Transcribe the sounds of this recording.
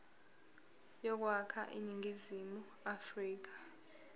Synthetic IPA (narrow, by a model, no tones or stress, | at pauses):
jɔk̬wakʰa̰ʔḭniŋizimu | afriːk̬ḁ